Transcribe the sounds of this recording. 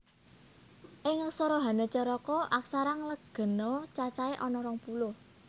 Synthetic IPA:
ʔɪŋəksɔɾɔɦa̤nɔt͡ʃəɾɔkɔʔaksaɾaŋləɡ̥ə̤nɔt͡ʃat͡ʃaeʔɔnɔɾɔŋpulʊh

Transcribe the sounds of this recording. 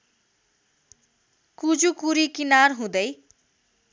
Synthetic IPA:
kud͡zukuɾikinaɾɦũd̪ʌj

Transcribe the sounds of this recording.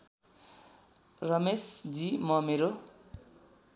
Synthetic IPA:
rʌmesd͡zimʌmeɾo

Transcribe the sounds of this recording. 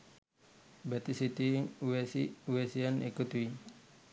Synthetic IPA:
bɛt̪isit̪iwesiwesianekut̪wi

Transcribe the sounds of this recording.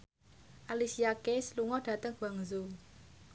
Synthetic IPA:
ʔalisiakesluŋɔɖ̥a̤t̪əŋɡ̥a̤ŋzu

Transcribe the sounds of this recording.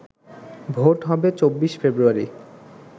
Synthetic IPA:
bʱoʈɦɔbet͡ɕobːiʃfebɾuaɾḭ

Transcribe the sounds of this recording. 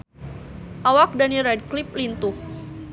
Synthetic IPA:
ʔawak̚daniɾɛd̚klip̚lint̪uh

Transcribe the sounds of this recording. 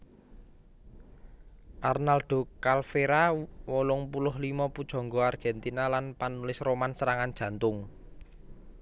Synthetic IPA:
ʔarnalɖ̪̥o̤kalfeɾawolʊŋpulʊɦlimɔpud̥ʒ̥ɔ̤ŋɡɔarɡ̥ɛnt̪inalanpanulɪsromansəɾaŋand̥ʒ̥ä̤nt̪ʊŋ

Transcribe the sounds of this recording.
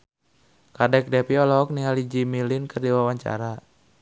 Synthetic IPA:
kadɛk̚dɛpiɔlɔɦɔk̚niɦalid͡ʒimilinkərdiwawaɲt͡ʃa̰ɾa

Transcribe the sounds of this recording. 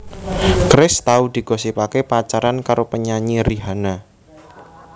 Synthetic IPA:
kɾɪst̪aud̪̥i̤ɡ̥ɔ̤sipakepat͡ʃaɾankaɾopəɲaɲiɾiɦana

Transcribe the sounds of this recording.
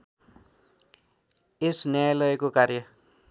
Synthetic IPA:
esnjajlʌekokarjʌ

